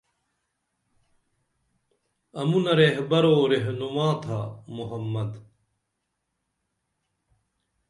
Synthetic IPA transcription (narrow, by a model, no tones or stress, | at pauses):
ɐmunɐɾeɦbɐɾoːɾeɦnumaːt̪ʰamuɦɐmːɐd̪